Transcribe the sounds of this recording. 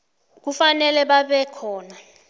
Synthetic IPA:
k̬ufanɛlɛɓaɓɛkʰɔːna

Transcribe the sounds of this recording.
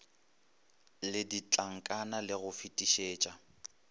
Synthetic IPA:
lɪdit͡ɬʼaŋ̩kʼanalɪɣʊfitʼiʃeːt͡ʃʼa

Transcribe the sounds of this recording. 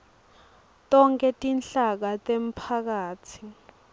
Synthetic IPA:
tɔŋkʼɛtʼint͡ɬak̬atʼem̩pʰak̬aːt͡sʰi

